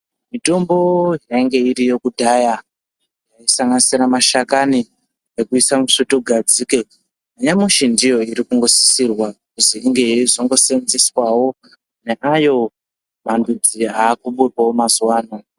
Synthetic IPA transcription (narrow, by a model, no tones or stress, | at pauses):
mito̞mbo̞jaiŋɡe̞iɾijo̞kudʱaja | jaisaŋɡanisiɾamaʃakani | ekuisamuʂotoɡʱad͡zike | aɲamuʃindijo̞iɾikuŋɡo̞si̥sirwakuziiŋɡe̞ʐoŋɡo̞senziswawo̞ | ne̞ʔajo̞ | mandud͡ziaːkuɓepaomazuwaːna